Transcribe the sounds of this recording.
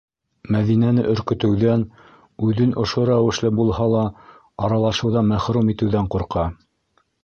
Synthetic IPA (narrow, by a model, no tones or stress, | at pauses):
mæðinænɘʔɵ̆ɾkɘ̆t̪ɘ̆wðæn | ʉðɘnʔŏʃoɾæwɘ̆ʃlɘbulˠhɑlˠɑ | ɑɾɑlˠɑʃɤ̆wðɑmæχɾumit̪ɘ̆wðæɴquɾqɑ